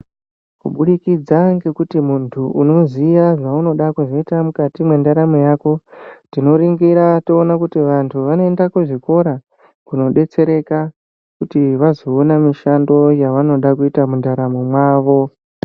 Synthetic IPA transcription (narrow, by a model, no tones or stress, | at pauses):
kṵɓuɗikid͡zaŋɡe̞kutimuntʰuʔuno̞zijaʐauno̞ɗakuʐo̞itamukatimwe̞ndaɾamojako̞tino̞ɾiŋɡiɾato̞ːnakutiʋantʰuʋano̞e̞ndakuʐiko̞ɾa | kuno̞ɗe̞t͡se̞ɾe̞ka | kutiʋazo̞ːnamiʃando̞jaʋano̞ɗakuitamundaɾamomwaːʋo̞